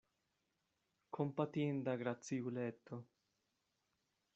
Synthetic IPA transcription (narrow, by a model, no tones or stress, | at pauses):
kʰompat̪jend̪aɡɾat̪siulɛt̪ːo